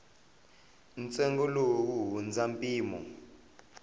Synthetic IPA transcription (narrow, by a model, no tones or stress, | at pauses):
nt͡sɛŋɡɔlok̬uɦund͡zampʼiːmɔ̰